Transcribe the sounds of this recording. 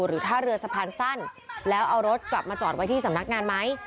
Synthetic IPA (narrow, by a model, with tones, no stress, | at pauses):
ɾɯː˩˦t̪ʰaː˥˩ɾɯ˧ɐsa˧pʰaː˧nsa˥˩nlɛː˦˥wʔa˧wɾo˦˥t̪̚kla˨˩p̚maː˧t͡ɕɔː˨˩t̪̚wa˦jt̪ʰiː˥˩sa˩˦mna˦˥k̚ŋaː˧nma˦˥j